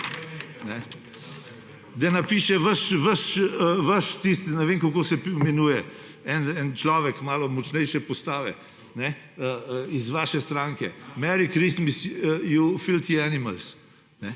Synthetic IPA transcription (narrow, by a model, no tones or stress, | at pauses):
nɛ | d̪anapiːʃɛʋəʃʋəʃʋəʃt̪ist̪nɛʋeːŋkokoːsɛpmɛnuːjɛ | ɛnɛnt͡ʃlɔːʋɛkmaːlɔmɔt͡ʃnɛjʃɛpɔst̪aːʋɛ̰ | nɛ | əizʋaːʃɛst̪ɾaːŋkɛmɛɾikɾist̪misjufilt̪ianiməls | nɛ